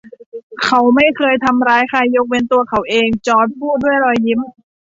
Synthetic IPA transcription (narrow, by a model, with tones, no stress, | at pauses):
kʰa˨˦wma˥˩jkʰɤː˧jt̪ʰa˧mɾaː˧jkʰa˧˩jːo˧˦˥k̚we˧nt̪u˧ɐkʰa˩˦wʔeː˧ŋt͡ɕɔː˧˥t̪̚pʰuː˥˩t̪̚du˥˩əjɾɔː˧jːi˦˥m